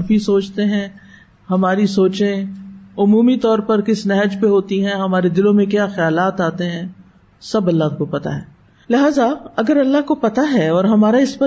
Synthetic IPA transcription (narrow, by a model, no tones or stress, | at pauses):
fisoːt͡ʃt̪eɦɛ̃ː | hɐmaːɾisoːt͡ʃẽʊmuːmit̪ɔːɾpɐɾkɪsnɛɦəd͡ʒpeɦoːt̪iɦɛ̃ɦɐmaːɾed̪ɪlõmẽkjaːxɐjaːlaːt̪aːt̪eɦɛ̃ː | sɐbɐlːaɦkopɐt̪a̰ɦɛː | lɪɦaːzaɐɡəɾɐlːaɦkopɐt̪aɦɛɔːɾɦɐmaːɾaɪsbə